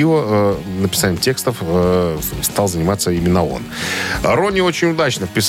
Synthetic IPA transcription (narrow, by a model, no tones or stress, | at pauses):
iəənəpʲɪsanʲɪəmtʲe̞kst̪əfəst̪ɑlˠzənʲɪmat̪səimʲɪnːəo̞̰nɾo̞nʲɪo̞t͡ɕɪnʲʊd̪at͡ɕnəfpʲɪs